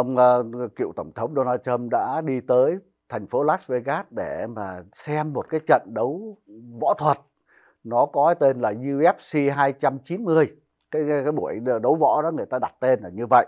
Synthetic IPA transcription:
ʔə˧wŋ͡mːkḭ˧ə˨wt̪ə˧˩wŋ͡mt̪ʰə˨˦wŋ͡mɗo˧naː˧tt͡ɕə˧mɗa̰ː˧˥ɗi˧t̪əː˨˦j | t̪ʰɛ˨˩ŋ̟fo˨˦laː˦˥s̚ve˧ɣaː˦˥t̚ɗe˧˩maː˨˩sɛ˧mːo˨˩t̚kaː˨˦jt͡ɕə̰˧˨nɗə˨˦wvɔ̰˧˥t̪ʰwə˨˩t̚ | nɔ˨˦kɔ˨˦˨jt̪e˧nlaː˨˩zɨ˧ʔɛ˦˥p̚si˧ɦaː˧jt͡ɕa˧mt͡ɕi˨˦nmɨ˧əj | kaː˨˦jkaː˨˦jɓu˧˩əjɗə˨˦wvɔ̰˧˥ɗɔ˨˦ŋɨ˨˩əjt̪aː˧a˨˩t̚t̪e˧nlaː˨˩ɲɨ˧və̰˧˨jʔ

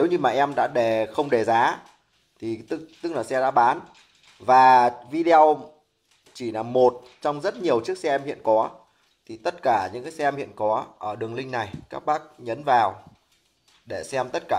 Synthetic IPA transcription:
ne˨˦wɲɨ˧maː˨˩ʔɛ˧mɗa̰ː˧˥ɗe˧˩xə˧wŋ͡mɗe˨˩zaː˨˦ | t̪ʰi˨˩t̪kt̪ɨ˦˥k̚laː˨˩sɛ˧za̰ː˧˥ɓaː˨˦n | vaː˨˩vi˧ɗe˧o˧w | t͡ɕi˧˩laː˨˩mo˨˩t̚ | t͡ɕɔ˧wŋ͡mzə˦˥t̚ɲi˨˩əwt͡ɕɨ˦˥ək̚sɛ˧ɛ˧mhḭ˧˨ənkɔ˨˦ | t̪ʰi˨˩t̪ə˦˥t̚kaː˧˩ɲɨ̰˧˥ŋkaː˨˦sɛ˧ɛ˧mhḭ˧˨ənkɔ˨˦ʔəː˧˩ɗɨ˨˩əŋlï˧ŋ̟na˨˩jkaː˦˥k̚ɓaː˦˥k̚ɲə˨˦nvaː˨˩w | ɗe˧˩sɛ˧mt̪ə˦˥t̚kaː˧˩

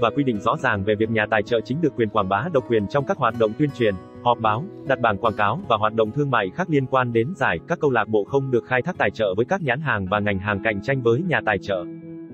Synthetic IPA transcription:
vaː˨˩kwi˧ɗḭ̈˧˨ŋ̟zɔ̰˧˥zaː˨˩ŋve˨˩vi˨˩ək̚ɲaː˨˩t̪aː˨˩jt͡ɕə̰ː˧˨t͡ɕï˨˦ŋ̟ɗɨ˨˩əkːwi˨˩ənkwaː˧˩nɓaː˨˦ɗə˨˩wŋ͡mkwi˨˩ənt͡ɕɔ˧wŋ͡mkaː˦˥k̚ɦwaː˨˩t̚ɗo̰˧˨ŋ͡mt̪wi˧ənt͡ɕwi˨˩ən | hɔ˨˩p̚ɓaː˨˦wɗa˨˩t̚ɓaː˧˩nkwaː˧˩nkaː˨˦wvaː˨˩ɦwaː˨˩t̚ɗə̰˧˨ŋ͡mt̪ʰɨ˧əŋma̰ː˧˨jxaː˦˥k̚li˧ənkwaː˧nɗe˨˦nzaː˧˩jkaː˦˥kːə˧wlaː˨˩k̚ɓo̰˧˨xə˧wŋ͡mɗɨ˨˩ək̚xaː˧j̪ʰaː˦˥t̪aː˨˩jt͡ɕə̰ː˧˨vəː˨˦jkaː˦˥k̚ɲaː˨˦nɦaː˨˩ŋvaː˨˩ŋa˨˩jŋ̟ɦaː˨˩ŋka̰˧˨jŋ̟t͡ɕa˧jŋ̟vəː˨˦jɲaː˨˩t̪aː˨˩jt͡ɕə̰ː˧˨

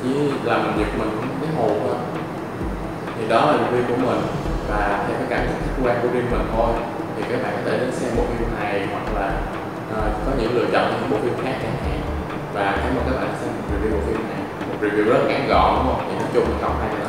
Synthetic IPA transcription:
t͡ɕi˧˦laː˨˩m˨˩nzi˨˩ək̚mï˨˩ŋ̟˨˧˦kaː˨˦mo˨˩ə˧˩ | t̪ʰi˨˩ɗɔ˨˦laː˨˩vḭ˨wvi˧ku˧˩əmï˨˩ŋ̟ | vaː˨˩˨t̪ʰːkaː˨˦jka˧˩ŋː˨˦˨ku˧waː˧nku˧zi˧əmmï˨˩ŋ̟t̪ʰo˧j | t̪ʰi˨˩kaː˨˦jɓa̰ː˧˨nkɔ˨˦t̪ʰe˧˩ɗə˨˧˦sɛ˧mɓo˨˩fi˧˨na˨˩jhwa˨˩k̚laː˨˩ | ʔəː˨˩kɔ˨˦ɲɨ̰˧˥ŋ˦lɨ̰˧˨ət͡ɕɔ̰˧˨nt͡ɕa˧˩ɨ̰˧˥ŋɓo̰˨˩fi˧ŋ͡mxaː˦˥k̚t͡ɕaː˧˩ha̰˨˧˨ | vaː˨˩xaː˨˦jmo˨˩kaː˨˦jla̰ː˨˩a˨˦sɛ˧m˨˩t̚vi˨˩wvi˧ɓo˧˨˩fi˧mnna˨˩j | m˨˩t̚vḭ˨˩wi˧˩əwzə˦˥t̚kaː˧˨˩nɣɔ̰˧˨ɗŋ͡mhə˧wŋ͡mt̪ʰi˨˩na˨˦t͡ɕʊ˧ŋ͡mḭ˨˧˩kɔ˧˩wŋ͡mha˧j

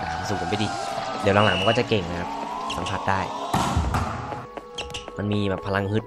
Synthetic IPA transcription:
a˧su˨˩ko˨˦pjʔiː˨˩di˨˦la˧˦ŋlaː˨˩˦ŋa˧kɔː˥˩t͡ɕa˨˩ke˨˩ŋna˦kʰa˦˥p̚sa˨˦mpʰa˧˥t̪̚daː˥˩j | ma˧nmiː˧bɛː˨˩pʰːa˧la˧ŋɦɯ˦˥t̪̚

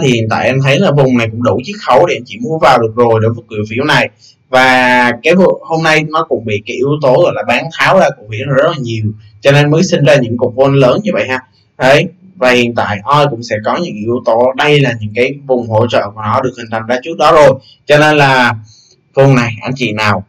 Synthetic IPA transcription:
t̪ʰi˨hḭ˨ənt̪a̰ː˧˨jʔɛ˧mt̪ʰə˨˦jlaː˨˩vʊ˨˩ŋ͡mna˨˩jkʊ̰˧˥ŋ͡mɗu˧˩t͡ɕɨ˦˥k̚xə˨˦wɗe˧˩ʔɛ˧mt͡ɕḭ˧˨mu˧˦vaː˨˩wɗɨ˨˩ək̚zo˨˩jɗe˧˩və˨˩k̚wḭ˧˨wfḭ˧˩əwna˨˩j | vaː˨˩kaː˨˦jvho˧mna˧jnɔ˨˦kʊ̰˧˥ŋ͡mɓḭ˧˨kaː˨˦jʔi˧əwt̪o˨˦ɣɔ̰˧˨jlaː˨˩ɓaː˨˦ŋt̪ʰaː˨˦wzaː˧kʊ̰˧˥ŋ͡mhḭ˧˥ənla˨˩zə˦˥laː˨˩ɲi˨˩əw | t͡ɕɔ˧ne˧nməː˨˦jsï˧ŋ̟zaː˧ɲɨ̰˧˥ŋku˨˩ək̚vwnləː˨˦nɲɨ˧və̰˧˨jhaː˧ | ɗə˨˦j | vaː˨˩hḭ˧˨ənt̪a̰ː˧˨jʔɔ˧jkʊ̰˧˥ŋ͡msɛ̰˧˥kɔ˨˦ɲɨ̰˧˥ŋʔi˧əwt̪o˨˦ɗə˧jlaː˨˩ɲɨ̰˧˥ŋkaː˨˦jvʊ˨˩ŋ͡mɦo̰˧˥t͡ɕə̰ː˧˨ku˧˩ənɔ˨˦ɗɨ˨˩ək̚hi˨˩ŋ̟t̪ʰa˨˩mzaː˧t͡ɕɨ˦˥ək̚ɗɔ˨˦zo˨˩j | t͡ɕɔ˧ne˧nlaː˨˩ | vʊ˨˩ŋ͡mna˨˩jʔa˧˩nt͡ɕḭ˧˨naː˨˩w

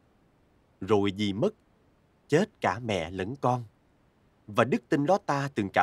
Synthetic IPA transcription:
zo˨˩jzi˨˩mə˦˥t̚ | t͡ɕe˦˥t̚kaː˧˩mɛ̰˧˨lə̰˧˦ŋkɔ˧n | vaː˨˩ɗɨ˦˥k̚t̪ï˧nɗɔ˨˦˥t̪aː˧t̪ɨ˨˩ŋkaː˧˨

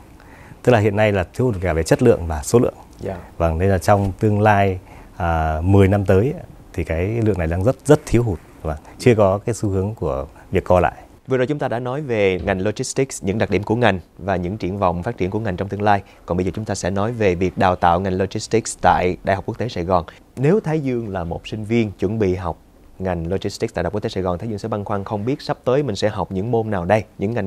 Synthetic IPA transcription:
t̪ɨ˦˥laː˨hḭ˧˨ənːa˧jlaː˨˩t̪ʰi˨˦əwu˨˩kaː˧˩ve˨˩t͡ɕə˦˥t̚lɨ̰˧˨əŋvaː˨˩so˨˦lɨ̰˧˨əŋ˧va˨˩ŋne˧laː˨˩t͡ɕɔ˧wŋ͡mt̪ɨ˧əŋlaː˧j | aː˨˩mɨ˨˩əjna˧mt̪əː˨˦jt̪ʰi˨˩kaː˨˦jlɨ̰˧˨əŋna˨˩jɗaː˧ŋzə˦˥t̚zə˦˥t̚t̪ʰi˨˦əwɦu˨˩t̚va˨˩ŋt͡ɕɨ˧əkɔ˨˦kaː˨˦jsu˨˦hɨ˨˦əŋku˧˩ə | vi˨˩əkːɔ˧la̰ː˧˨j | vɨ˨˩zo˨˩t͡ɕʊ˨˦ŋ͡mt̪aː˧ɗa̰ː˧˥nɔ˨˦jve˨˩ŋa˨˩jŋ̟lo˧zi˦˥st̪i˦˥k̚ɲɨ̰˧˥ŋɗa˨˩k̚ɗi˧˩əmku˧˩əŋa˨˩jŋ̟vaː˨˩ɲɨ̰˧˥ŋt͡ɕḭ˧˩ənvɔ̰˧˨wŋ͡mfa˦˥t͡ɕi˧˩ənku˧˩əŋa˨˩ŋ̟t͡ɕɔ˧ŋ͡mt̪ɨ˧ŋlaː˧j | kɔ˨˩nɓə˧jzəː˨˩t͡ɕʊ˨˦ŋ͡mt̪aː˧sɛ̰˧˥nɔ˨˦jve˨˩vi˨˩ək̚ɗaː˨˩wt̪a̰ː˧˨wŋa˨˩jŋ̟lo˧zi˦˥st̪i˦˥k̚t̪a̰ː˧˨jɗa̰ː˧˨ha˨˩k͡pku˦˥k̚t̪e˨˦saː˧˩jɣɔ˨˩n | ne˨˦wt̪ʰaː˨˦jzɨ˧əŋlaː˨˩mo˨˩t̚sï˧ŋ̟vi˧ənt͡ɕwə̰˧˥nɓḭ˧˨ɦa˨˩wk͡p̚ | ŋa˨˩jŋ̟lo˧zi˦˥st̪i˦˥a̰ː˧˨˩k̚ːt̪e˨˦saː˧˩ɣɔ˨˩nt̪a˨˦zɨ˧ŋsɛ˧˥ɓa˧ŋxwaː˧ŋxə˧wŋ͡mɓi˦˥ət̚sa˦˥p̚t̪əː˨˦jmï̟˨˩sɛ̰˧˥ɦa˨˩wk͡p̚ɲɨ̰˧˥ŋmo˧nnaː˨˩wɗə˧jɲɨ̰˧˥ŋːa˨˩jŋ

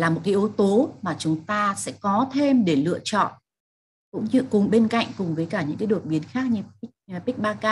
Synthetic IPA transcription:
laː˨˩mo˨˩t̚ka˨˦jʔo˨˦t̪o˨˦maː˨˩t͡ɕʊ˨˦ŋ͡mt̪aː˧sɛ̰˧˥kɔ˨˦t̪ʰe˧mɗe˧˩lɨ̰˧˨ət͡ɕɔ̰˧˨n | kʊ̰˧˥ŋ͡mɲɨ˧kʊ˨˩ŋ͡mɓe˧nka̰˧˨jŋ̟kʊ˨˩ŋ͡mvəː˨˦jkaː˧˩ɲɨ̰˧˥ŋkaː˨˦jɗo˨˩t̚ɓi˨˦ənxaː˦˥k̚ɲɨ˧˦˥pi˦˥k̟̚ɓaː˧kaː˧

